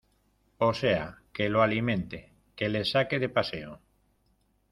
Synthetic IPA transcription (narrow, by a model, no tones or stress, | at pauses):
oseakeloalimẽnt̪e | kelesakeðepaseo